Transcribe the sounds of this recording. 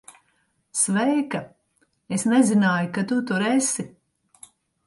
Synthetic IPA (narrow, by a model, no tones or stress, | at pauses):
svɛjka | esnɛzinaːjukat̪ut̪uɾesi